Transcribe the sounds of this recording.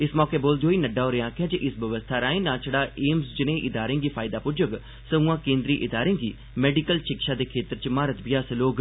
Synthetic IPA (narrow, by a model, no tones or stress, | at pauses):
ɪsmɔːkeːboːld̪eɦoːiːnəɖaːoːɾeãːkʰɪjaːd͡ʒeʔɪsbəʋəst̪ʰaːɾaːĩːnaːt͡ʃʰəɽaːʔeːmsd͡ʒɪnẽːʔɪd̪aːɾẽːɡiːpʰaːɪd̪aːpʊɾd͡ʒʊɡ | səũːãːkẽːnd̪ɾiːʔɪd̪aːɾẽːɡiː | mɛːɖikəlʃɪkʃaːd̪eːkʰeːt̪əɾt͡ʃmaːɾət̪bɪjaːsəloːɡ